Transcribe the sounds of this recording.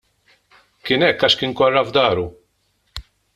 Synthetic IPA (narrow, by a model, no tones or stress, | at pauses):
kɪnɛkːɐʃkɪŋkɔrːɐvd̪ɐːɾu